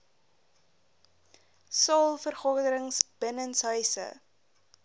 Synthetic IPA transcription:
sɑlˠfərχodəɾəŋsb̥ənənsɦœɥsə̰

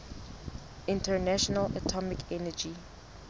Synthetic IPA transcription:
ɪ̃ntənaʃɔnələ̰tʰɔmɪkʰɛnəd͡ʒi

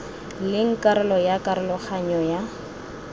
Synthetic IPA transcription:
lɪŋ̩kʼaɾɛlɔjakʼaɾɛlɔχaɲɔja

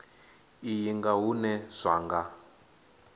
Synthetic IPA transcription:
ijiŋɡaɦunɛz̥ʷaːŋɡa

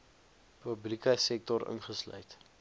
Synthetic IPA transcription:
pəblikəjsɛk̚tɔɾə̰nχəslœ̰jt

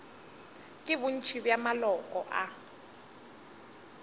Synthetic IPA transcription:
kʼɪbʊn̩t͡ʃʰibjamalɔkʼɔ̰ʔa

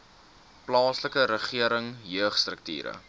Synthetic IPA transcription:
plɑːsləkəɾəχiəɾəŋjøəχstrək̚tḭːɾə̰

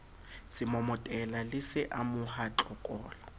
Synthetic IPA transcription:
sɪmɔmɔtʼɛlalɪsɪʔamʊhat͡ɬʼɔkʼɔːla

